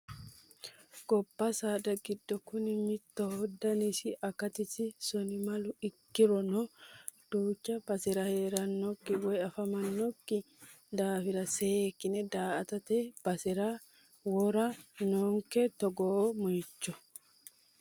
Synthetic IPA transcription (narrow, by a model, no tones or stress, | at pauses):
ɡɔbːɐsaːd̪ɐɡɪd̪ːɔkʊnɪmɪt̪ːɔhɔd̪ːɐnɪsɪʔɐkɐt̪ɪsɪsɔnɪmɐlʊɪkːɪɾɔnɔd̪̥uːt͡ʃːɐbɐsɪɾɐhe̞ːɾɐnːɔkːɪwɔjɐfɐmɐnːɔkːɪ | d̪aːfɪɾɐseːkːɪnɛd̪aːɐt̪ɐt̪eb̥ɐsɪɾa | wɔɾɐnoːŋkɛt̪ɔɡɔmɔjɪt͡ʃːɔ